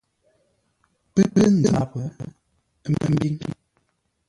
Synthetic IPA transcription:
pə˦pə˦n˨a˨pə˨˦ | mə˦m̩˦bi˦

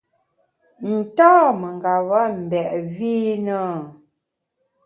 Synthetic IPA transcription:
n̩˨tɔː˦mə˨ŋ˨ɡa˨βa˦m̩˨bɛ˨ʔviː˦nə˦˨

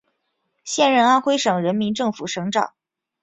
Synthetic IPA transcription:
ɕjɛ˥˧nɻə˥˧na˥nxwe˥ɪʂɤ˨˩ŋɻə˧˥nmi˧˥nʈ͡ʂɤ˥˩ŋfu˨˩ʂɤ˧˥ŋʈ͡ʂɑ̰˨˩˦

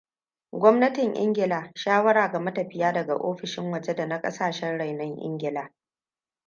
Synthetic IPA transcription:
ɡʷɔ˦mnɐ˦tɪ˨ŋʔɪ̰˦ŋɡʲɪ˨laː˨ʃaː˦wɐ˦ɽaː˨ɡa˨mɐ˦tɐ˨ɸɪ˦jaː˦dɐ˨ɡa̰˨ʔoː˦ɸɪ˨ʃɪ˦ŋwɐ˨d͡ʒe˦da˨na˦kʼɐ˦saː˨ʃɛ˦nɽa˨jnɐ˦ŋʔɪ̰˦ŋɡʲɪ˨laː˨

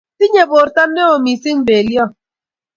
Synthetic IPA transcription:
ti˦ɲe˨bo˨ɾta˦nne˦o˨mi˨si˦ŋ˦be˨ljɔ˦˨

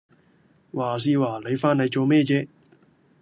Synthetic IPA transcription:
waː˨˩s̬iː˧waː˨˩le˨˧jfaː˧˥ne˨˧jt͡so˨˧wmɛː˥˧t͡ɕɛː˧

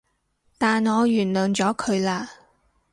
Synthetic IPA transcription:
t̪aː˨nŋɔː˨˧jyː˨˩nlœː˨˩ŋt͡ʃɔː˨˥kʰɵ˨˧ɥlaː˧

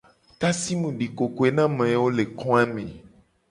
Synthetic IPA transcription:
t̪a˦si˦mũ˨ɖi˨ko˨ko˨e˦nã˦mẽ˨wo˦le˨kɔ̃˦a˦mẽ˨

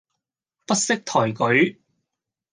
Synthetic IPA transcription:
pɐ˥t̚sɪ˥k̚t̪ʰɔː˨˩jkɵ˨˥ɥ

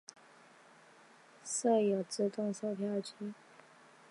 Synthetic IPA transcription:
sɤ˥˩jo˨˩t͡sɹ̩˥˧t̪ʊ˥˧ŋso˥˧ʊpʰja˥˧˥t͡ɕʰi˥

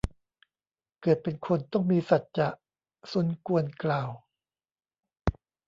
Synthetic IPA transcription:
kɤː˨˩ət̪̚pe˧nkʰo˧nt̪ɔ˥˩ŋmiː˧sa˨˩t̪̚t͡ɕa˨˩ʔ | su˨˩˦nku˧ənklaː˨˩w

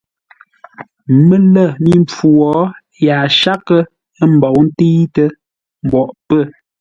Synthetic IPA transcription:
mə˦lə˦˨mi˦˨mp͡fu˨ɔ˨˦ | ja˨ʃa˦kə˦ | ə˦m̩˨bɔ˨wn̩˦ti˦tə˦ | m̩˨bɔ˨ʔpə˦˨

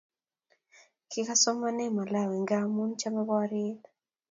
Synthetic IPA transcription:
kɪ˦ka˦sɔ˦ma˦nɛ˦ma˨la˦˨wi˨ŋɡa˦mu˦nt͡ʃa˦ma˦bɔ˦ɾɪ˦t

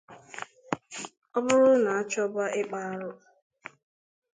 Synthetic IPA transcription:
ɔ˦bʊ˦ɾʊ˦na˨a˦t͡ʃɔ˦ba˦ʔɪ˦k͡pa˦ɾʊ˦

